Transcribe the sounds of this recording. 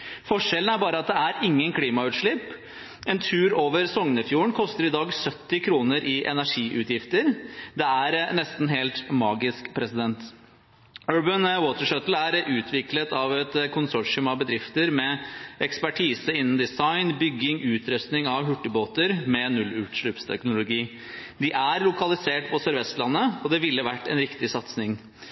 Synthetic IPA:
fɔʂɛlən̩æɾbɑːɾəɑt̪̚d̪ɛæɾɪŋːənkʰliːmɑʉːt̪ʂɭɪp | ɛnt̪ʰʉːɾoːʋəɾsɔŋnəfjuːəɳkʰɔst̪əɾɪd̪ɑːɡsœt̪ːɪkʰɾuːnəɾʔɪʔɛ̰næʂiːʔʉ̰t̪jɪft̪əɾd̪ɛæɾnɛst̪n̩ɦeːlt̪mɑːɡɪskpʰɾɛsɪd̪ɛnt̪ | øːɹbənwoːt̪əʂœt̪l̩æɾʔʉːt̪ʰʋɪklət̪ɑʋɛt̪kʰʊnsɔʂɪʉmɑʋbəd̪ɾɪft̪əɾmɛʔɛkspæʈʰiːsəɪnːn̩d̪ɪsɑɪnbʏɡːɪŋʔʉːt̪ʰɾœst̪nɪŋɑʋɦʉʈːəboːt̪əɾmɛnʉlʉːt̪ʂlʉpst̪ʰɛ̰knʊlʊɡiː | d̪ɪʔæɾlʊkɑlɪseːʈpʰɔsœɾʋɛst̪lɑnːəɔd̪ɛʋɪlːəʋæʈːɛ̰nɾɪkt̪ɪsɑt̪snɪŋ

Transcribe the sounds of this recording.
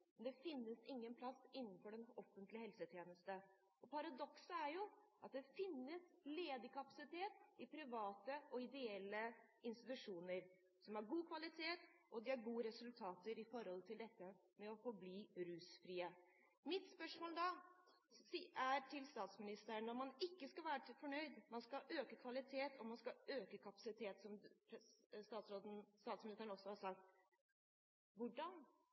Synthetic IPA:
mɛnd̪ɛfɪnːəsɪŋːənpʰlɑsɪnːənfɔɖɛnɔfənt̪lɪhɛlsət̪ʰjeːnəst̪ə | ɔpʰɑɾɑd̪ɔksəæɾjʊɑt̪̚d̪ɛfɪnːəsleːd̪əkʰɑpɑsɪt̪ʰeːt̪ɪpʰɾɪʋɑːt̪əɔɪd̪ɛɛlːəɪnst̪ɪt̪ʉʂuːnəɾ | sɔmhɑɾɡuːkʰʋɑlɪt̪ʰeːt̪ɔd̪ɪhɑɾɡuːəɾɛsʉlt̪ʰɑːt̪əɾɪfɔɾhɔlt̪ʰɪld̪ɛt̪ːə | mɛɔfɔɾbliːɾʉːsfɾiːə | mɪt̪spœʂmoːləd̪ɑ | iæʈʰɪlst̪ɑːt̪smɪnɪst̪əɾəɳːɔɾmɑnɪkːəskɑʋæːɾəʈɪfɔɳœʏd̪mɑnskɑʔøːkəkʰʋɑlɪt̪ʰeːt̪ʰɔmɑnskɑøːkəkʰɑpɑ̥sɪt̪ʰeːt̪sɔmpʰst̪ɑːt̪sɾoːd̪n̩st̪ɑːt̪smɪnɪst̪ənɔsːɔhɑɾʂɑk̚t̪ | ʋʊɖɑn

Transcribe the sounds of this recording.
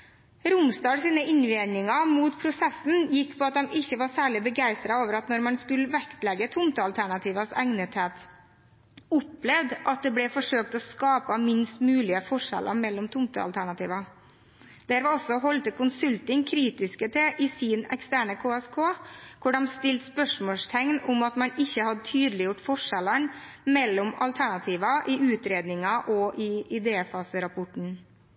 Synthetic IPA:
ɾʊmst̪ɑːsiːnəɪnʋɪnɪŋɑmuːt̪pʰɾʊsɛsn̩jɪkːpʰɔɑt̪̚d̪ɑmʔɪçːəʋɑːɾsæːɭɪbəɡæɪst̪ɾɑoːʋəɾɑt̪nɔɾmɑnskʉləʋɛkt̪lɛɡət̪ʰʊmt̪əɑlt̪ʰæɳɑt̪ʰiːʋɑsɛŋnət̪heːt̪ | ʊplɛʋd̪ʔɑt̪̚d̪ɛblɛfɔʂøːk̚t̪ɔskɑːpəmɪnst̪mʉːlɪəfɔʂɛ̰lʔə̰mɛlːɔmt̪ʰʊmt̪ə̰ɑ̰lt̪ʰæɳɑt̪ḭːʋɑ | d̪æːɾʋɛɔsːɔɦɔlt̪əkʊnsʉlt̪ɪŋkʰɾiːt̪ɪskət̪ʰɛʔɪsiːnɛ̰kst̪æːɳəkʰoːɛskʰoːkʰʊɖɛmst̪ɪlt̪spœʂmoːʂt̪ʰɛŋnʊmɑt̪mɑnɪçːəhɑd̪ət̪ʰyːd̪lɪjʊʈfɔʂɛlən | mɛlːɔmɑ̰lt̪ʰæɳɑt̪ʰiːʋɑʔɪʉːt̪ɾeːd̪nɪŋɑʔɔʔɪɪd̪eːfɑːsəɾɑpʰɔʈɳ̩

